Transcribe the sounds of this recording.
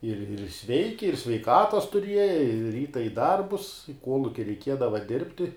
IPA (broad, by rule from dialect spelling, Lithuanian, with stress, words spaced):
ɪr ɪr ˈsʲʋʲɛɪkʲɪ ɪr sʲʋʲɛɪˈkɑːtɐs tʊˈrʲiɛjɛ ɪ ˈrʲiːtɐ ɪ ˈdɐrbʊs ɪ ˈkuɔlˠʊkʲɪ rʲɛɪˈkʲiɛdɐʋɐ ˈdʲɪrʲpʲtʲɪ